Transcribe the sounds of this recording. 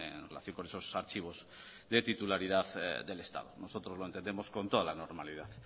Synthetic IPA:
ḛnrelaθjoŋkoneso̞saɾt͡ʃiβ̞o̞z | ðe̞t̪it̪ulaɾið̞aθðe̞le̞st̪a̰ðo̰no̞so̞t̪ɾozlo̞ent̪enemo̞sko̞nt̪o̞ð̞alano̞ɾmaliðaθ

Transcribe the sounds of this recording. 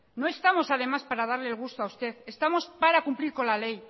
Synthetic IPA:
no̞est̪amo̞sað̞e̞maspaɾað̞aɾleːlɣ̞ust̪oawst̪e̞θest̪amo̞spaɾakumpliɾko̞nlale̞j

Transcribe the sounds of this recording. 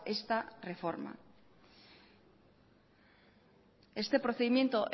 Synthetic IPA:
e̞st̪are̞fo̞ɾma̰ | e̞st̪e̞pɾoθe̞ðimje̞nt̪oʔ

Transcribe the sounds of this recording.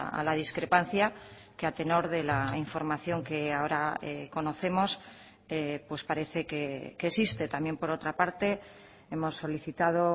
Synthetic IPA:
a̰lað̞iskɾe̞pan̟θja | keat̪e̞no̞ɾðe̞laiɱfo̞ɾmaθjo̞ŋke̞aoɾaḛko̞no̞θe̞mo̞s | epwe̞spaɾe̞θe̞kekesist̪e̞t̪amjempo̞ɾo̞t̪ɾapaɾt̪e̞ | e̞mo̞sːo̞liθit̪að̞o̞

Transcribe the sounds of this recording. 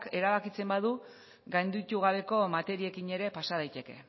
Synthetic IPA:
ke̞ɾaβ̞akit͡se̞mbað̞u | ɡajnd̪it̪uɣ̞aβ̞e̞ko̞mat̪e̞ɾiekiɲe̞ɾe̞pasað̞ajt̪e̞ke̞̰

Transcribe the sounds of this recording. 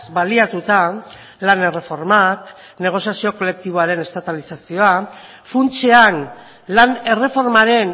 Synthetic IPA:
sbaliat̪ut̪a | lane̞re̞fo̞ɾmak | ne̞ɣ̞o̞sjasio̞ko̞le̞k̚t̪iβo̞aɾe̞ne̞st̪at̪alisasio̞a | funt͡sean | lane̞re̞fo̞ɾmaɾe̞n

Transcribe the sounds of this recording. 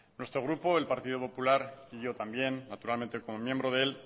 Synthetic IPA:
nwe̞st̪ɾo̞ɣ̞ɾupo̞e̞lpaɾt̪ið̞opo̞pulaɾiʝo̞t̪ambje̞nːat̪uɾalmẽ̞nt̪e̞ko̞mo̞mje̞mbɾoð̞eel

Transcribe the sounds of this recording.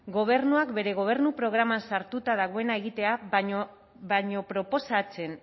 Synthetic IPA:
ɡo̞β̞e̞ɾnuakbe̞ɾe̞ɣ̞o̞β̞e̞ɾnupɾo̞ɣ̞ɾamansaɾt̪ut̪að̞aɣ̞o̞e̞nae̞ɣit̪e̞a | βaɲo̞pɾo̞po̞sat͡se̞n

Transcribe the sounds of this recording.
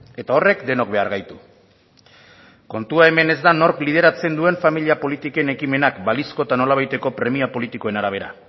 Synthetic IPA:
e̞t̪ao̞re̞kd̪e̞no̞kbe̞aɾɣajt̪u | ko̞nt̪uae̞me̞ne̞zd̪ano̞ɾklið̞e̞ɾat͡se̞nd̪ue̞ɱfamiliapo̞lit̪ike̞ne̞kime̞nakbalisko̞t̪ano̞laβ̞ajt̪e̞ko̞pɾe̞miapo̞lit̪iko̞e̞naɾaβ̞e̞ɾa̰

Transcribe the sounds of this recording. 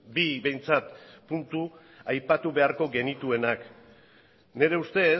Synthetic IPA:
biβe̞jnt͡sat̪punt̪u | ajpat̪uβe̞aɾko̞ɡe̞nit̪ue̞nak | ne̞ɾe̞ust̪e̞

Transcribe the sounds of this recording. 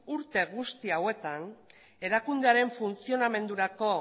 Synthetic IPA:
uɾt̪e̞ɣust̪iawe̞t̪an | e̞ɾakund̪e̞aɾe̞ɱfunt͡sio̞name̞nd̪uɾako̞

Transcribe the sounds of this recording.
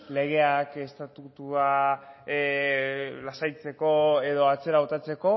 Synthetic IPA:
le̞ɣ̞e̞ake̞st̪at̪ut̪ua | lasajt͡se̞ko̞e̞ðo̞at͡se̞ɾaβo̞t̪at͡se̞ko̞

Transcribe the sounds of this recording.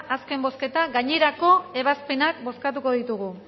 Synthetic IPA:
ʔaske̞mbo̞ske̞t̪aɡaɲe̞ɾako̞e̞β̞aspe̞nakbo̞skat̪̬uko̞ðit̪uɣ̞u

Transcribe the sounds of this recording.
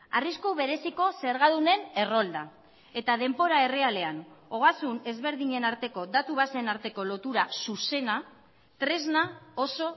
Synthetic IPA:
ariskuβe̞ɾe̞siko̞se̞ɾɣaðune̞ne̞ro̞ld̪a | e̞t̪að̞e̞mpo̞ɾae̞re̞ale̞ano̞ɣ̞asune̞zβe̞ɾðiɲe̞naɾt̪e̞ko̞d̪at̪uβasenaɾt̪e̞ko̞lo̞t̪uɾasuse̞na | t̪ɾe̞znao̞so̞

